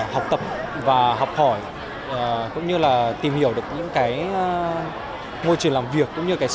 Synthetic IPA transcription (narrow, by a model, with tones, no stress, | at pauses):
ha˨˩wk͡p̚t̪ə˨˩p̚vaː˨˩ɦɔ˨˩wk͡p̚hɔ˧˩j | kʊ̰˧˥ŋ͡mɲɨ˧laː˨˩t̪i˨˩mhi˧˩əwɗɨ˨˩ək̚ɲɨ̰˧˥ŋkaː˨˦j | mo˧jt͡ɕɨ˨˩əŋlaː˨˩mvi˨˩əkːʊ̰˧˥ŋ͡mɲɨ˧kaː˨˦